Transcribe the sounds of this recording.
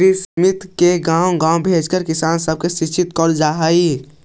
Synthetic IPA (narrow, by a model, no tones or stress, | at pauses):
ɾismɪt̪keɡãːwɡãːwbʱeːd͡ʒkəɾkɪsaːnsəb̚kesɪt͡ʃɪt̪kɔːld͡ʒaːɦaːi